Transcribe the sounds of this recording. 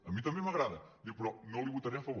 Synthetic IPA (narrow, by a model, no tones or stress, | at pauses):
ɐmĩt̪ɐ̃mbẽj̃mɐɣɾaðɐd̪iɣpɾõt̪nɐ̃w̃lˠiβut̪ɐɾɐjɐfɐβo